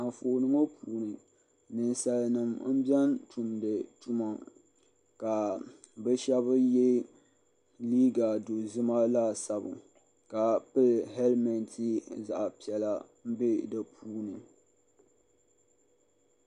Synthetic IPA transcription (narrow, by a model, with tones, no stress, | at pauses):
a˨fo˨ʔnɨ˨ŋo˦pʰuː˦nɨ˨ | nɨ˨nsa˨lnɨ˨mm̩˦bɛ˦ntu˨mdɨ˨tʊ˦ma˨ | ka˨ | bɨ˦ʃɛ˦βɨ˦jɛ˦ | liː˦ɡa˨do˨zɨ˦ma˦la˦sa˨bɨ˨ŋ | ka˨pɨ˦lɦɛ˦lmɛ˨ntʰi˦za̰˨ʔpi˨ɛ˨la˦ | m̩˦be˦dɨ˨pʰuː˦nɨ˨